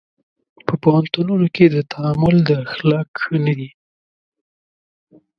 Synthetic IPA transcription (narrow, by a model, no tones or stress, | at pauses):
pəpohant̪ununoked̪ət̪ʰaamʊld̪əxlɑkxənad̪i